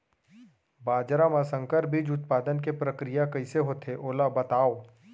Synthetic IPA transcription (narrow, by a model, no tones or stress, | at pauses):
baːd͡ʒɾamãsə̃ŋkəɾbʱid͡ʒʊt̪paːd̪ənkepɾəkɾijakɐɪseɦoːt̪ʰeʔoːlabɐt̪aːo